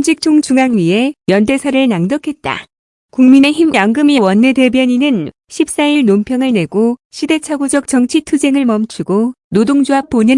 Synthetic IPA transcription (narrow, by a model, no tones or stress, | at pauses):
nd͡ʑʰik̚t͡ɕ͈ʰoŋt͡ɕuŋaŋɥie̞mjʌnde̞sʰʌɾɯɭnaŋdʌkʰe̞t̚t͈a̰ | kuŋmine̞çimjaŋɡɯmijwʌnːe̞te̞bjʌɲinɯn | ɕʰip̚s͈aiɭnompʰjʌŋɯɭne̞ɡoɕʰide̞t͡ɕʰaɡod͡ʑʌk̚t͡ɕ͈ʌŋt͡ɕʰitʰud͡ʑe̞ŋɯɭmʌmt͡ɕʰuɡo | nodoŋd͡ʑoɦap̚p͈onɯn